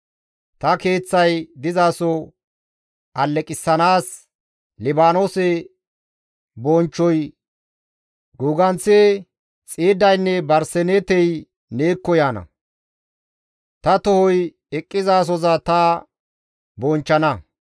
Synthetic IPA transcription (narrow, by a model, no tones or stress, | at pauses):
t̪ɐke̞ːt͡sːɐjd̪ɪzaːsɔ | ʔɐlːɛkʼɪsːɐnaːs | lɪbaːnoːsɛ | bont͡ʃːɔj | ɡuːɡɐnt͡sːe | t͡sʼeːd̪ːɐjnːɛbɐɾsɛneːt̪ɛj | neːkːɔjaːnɐ̰ | t̪ɐt̪ɔhɔj | ɛkʼːɪzaːs̬ɔzɐt̪ɐ | bɔːnt͡ʃːɐnɐ